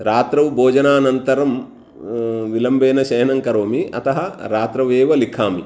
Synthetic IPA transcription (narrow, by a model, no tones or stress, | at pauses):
ɾaːt̪ɾɐʋboːd͡ʒɐnaːnɐnt̪ɐɾɐm | ʋilɐmbeːnɐʃɐjɐnɐŋkɐɾoːmiɐ̰t̪ɐɦɐɾaːt̪ɾɐʋeːʋɐlikʰaːmi